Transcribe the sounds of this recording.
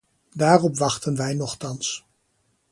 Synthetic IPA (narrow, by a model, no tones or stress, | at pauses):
daːrɔpʋɑχtənʋɛjnɔχtɑns